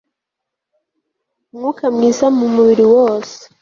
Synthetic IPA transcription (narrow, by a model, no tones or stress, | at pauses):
mŋukamŋiːsamumuβiɾiwoːse̥